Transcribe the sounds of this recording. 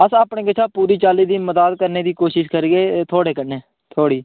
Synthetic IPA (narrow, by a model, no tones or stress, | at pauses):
əsaːpɳẽːɡɪt͡ʃʰaːpuːɾiːt͡ʃaːliːd̪iːməzaːd̪kəɾneːd̪iːkoːʃɪʃkəɾɡeːt̪ʰoːɽeːkəneː | t̪ʰoːɽiː